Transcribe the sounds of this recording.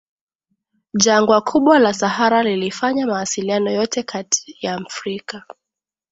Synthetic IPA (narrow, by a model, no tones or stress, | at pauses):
ʄaŋɡwakʰuɓwalasahaɾalilifaɲamawasilianɔjɔtɛkʰatʰi̥jaːmfɾika